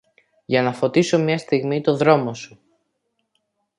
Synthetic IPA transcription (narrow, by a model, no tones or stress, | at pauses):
ʝɐnɐfo̞t̪iso̞mɲɐst̪iɣmit̪o̞ðɾo̞mo̞su